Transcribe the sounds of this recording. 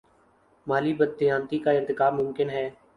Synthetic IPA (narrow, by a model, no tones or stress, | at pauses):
maːliːbəd̪̚ːɪjãːnt̪ikaːɪɾt̪ɪkaːbmʊ̃mkɪnɦɛː